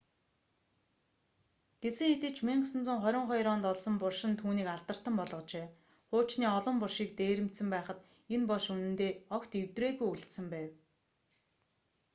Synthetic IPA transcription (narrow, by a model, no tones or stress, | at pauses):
ɡ̥esɘ̆ŋxet̪ɘ̆t͡ɕʰmiɴɢsə̆nt͡sʊ̆ŋχœɾʲɪ̆ɴχɔjɾɔːnt̪ɔɮsɞ̆mpʊrʃɪ̆nt̪ʰuːniːkaɮt̪ə̆r̥t̪ə̆mpɔɮʁɞ̆t͡ɕeː | χʊːt͡ɕniːɔɮɞ̆mpʊrʃiːk̚t̪eːɾɘ̆m̥t̪sɘ̆mpæːχə̆t̪ | enpɔɮʃunɘ̆nt̪eːɔkt̪ewt̪reːɣujuɬt̪sɘ̆mpæːw